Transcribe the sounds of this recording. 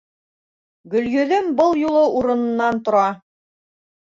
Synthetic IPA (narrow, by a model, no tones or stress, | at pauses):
ɡɵ̆lɡɵ̆ðɘmbɤlˠjulˠɤʔuɾɤ̆nɤ̆nːɑnt̪ŏɾɑ